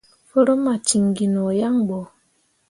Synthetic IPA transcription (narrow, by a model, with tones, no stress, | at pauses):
fo˦ɾo˦ma˨t͡ʃi˨ŋɡi˨nɔ˨ja˦ŋɡ͡bɔ˨